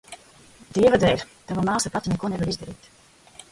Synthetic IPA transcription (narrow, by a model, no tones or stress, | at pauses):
d̪iɛvad̪ɛj | t̪avamaːsapat̪inɛkuɔnɛvaɾizd̪aɾḭːt̪